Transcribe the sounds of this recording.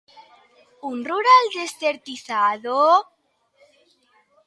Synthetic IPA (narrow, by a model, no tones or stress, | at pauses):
unruɾald̪est̪eɾt̪iθaðo